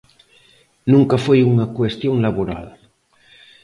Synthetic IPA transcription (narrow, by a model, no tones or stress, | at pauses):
nuŋkafojuŋakwest̪joŋlaβoɾa̰l